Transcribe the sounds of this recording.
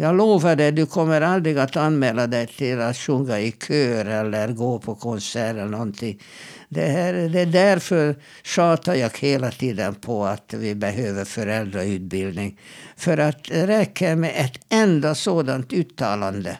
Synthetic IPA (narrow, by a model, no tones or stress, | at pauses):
jɑːɡloːvaɖɛd̪ɵkʰɔmːəɾald̪ɾɪɡat̪anmɛːlad̪ɛjt̪ʰɪlat̪ʂɵŋɡaɪkʰøːɾɛlːəɾɡoːpʰɔkʰɔnsæːɾɛlənɔnt̪ʰɪŋ | d̪ɛæɾd̪ɛɖ̪æɾfœɾ | ʂɑːt̪aɾjɑːɡ̥heːlat̪ʰiːd̪ənpʰɔat̪vɪbɛɦøːvəɾfœɾɛld̪ɾaʉ̟ːt̪̚bɪld̪nɪŋfœɾat̪̚d̪ɛɾɛkʰːəɾmɛʔɛt̪ɛnd̪asoːd̪ant̪ʉːt̪ʰːɑːland̪ə